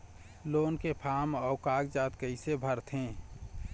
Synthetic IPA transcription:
loːnkepʰaːmɔːkaːɡd͡ʒaːt̪kəɪsebʱəɾt̪ʰɦẽː

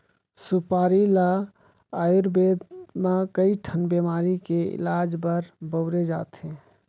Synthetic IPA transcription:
supaːɾila | aːjuɾbeːd̪mãkəiʈʰənbemaːɾikeɪ̰laːd͡ʒbəɾbəʊɾed͡ʒa̰ːt̪ẽː

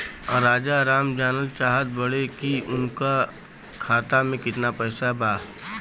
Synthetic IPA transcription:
ɾaːd͡ʒaɾaːmd͡ʒaːnəlt͡ʃaːɦət̪̚bɐɽekiʊnka | kʰaːt̪amẽkɪt̪napɛːsabaː

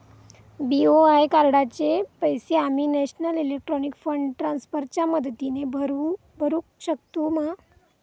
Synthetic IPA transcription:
bioajkaɾɽat͡ɕepəjseamiːnɛɕnəlelek̚ʈɾɔnikfəɳɖʈɾansfəɾt͡ɕjaməd̪ʱt̪inebʱəɾu | bʱəɾũkɕək̚t̪uma

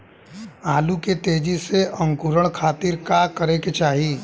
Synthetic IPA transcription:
aːluket̪eːd͡ʒiseʔə̃ŋkuɾəɽ̃kʰaːt̪iɾkakəɾeket͡ʃaːɦiː

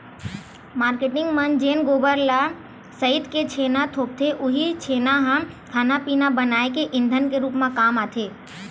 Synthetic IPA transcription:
maːɾkeʈɪ̃ŋɡmənd͡ʒeːnɡoːbəɾla | səɪt̪ket͡ʃʰeːnat̪ʰoːp̚t̪ʰeʔʊɦit͡ʃʰeːnaɦə̃m | kʰaːnapiːnabənaːekeʔɪ̃nd̪ʱənkeɾuːpmãkaːmaːt̪ʰeː

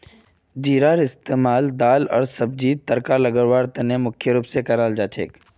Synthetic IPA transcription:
d͡ʒiːɾaːɾɪst̪eːmaːld̪aːlɔ̰ːɾsɐb̚d͡ʒiːd̪̚t̪ɐɾkalɐɡəɾʋaːɾt̪ɐnemʊkʰjəɾuːpsekɐɾaːld͡ʒaːt͡ʃʰḛːk

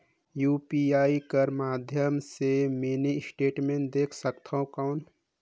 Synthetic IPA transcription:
juːpiaːikəɾmaːd̪ʱjəmsemenisʈeːʈmẽːɳd̪eːkʰsəkt̪ʰaõkaʊn

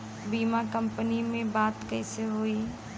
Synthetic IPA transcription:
biːmakə̃mpənimẽbaːt̪kɛɦseɦoːi

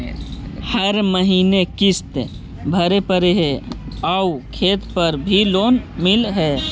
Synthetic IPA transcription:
həɾməɦiːnekɪst̪ | bʱəɾepəɾeɦɛaukʰeːt̪pəɾbʱiloːnmɪlɦɛː

